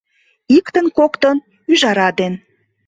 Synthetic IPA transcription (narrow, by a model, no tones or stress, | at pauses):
ikt̪ənkokt̪ən | yʒɑɾɑd̪en